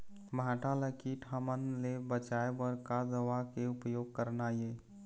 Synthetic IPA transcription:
bʱaʈʰaləkiʈʰamənlebət͡ʃaebəɾkad̪əʋakeʊpjoːɡ̚kəɾnaje

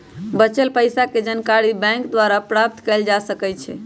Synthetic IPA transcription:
bət͡ʃelpəjsaked͡ʒənkaɾibɛ̃kd̪waɾapɾap̚t̪kɛld͡ʒasəkɛt͡ʃʰɛ̰

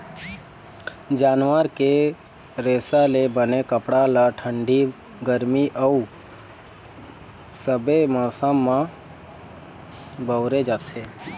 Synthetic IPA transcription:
d͡ʒaːnʋəɾke | ɾeːsalebənekəpɽalaʈʰə̃ɳɖi | ɡəɾmiʔəu | səbemɔːsamːã | bəʊɾed͡ʒaːt̪ʰeː

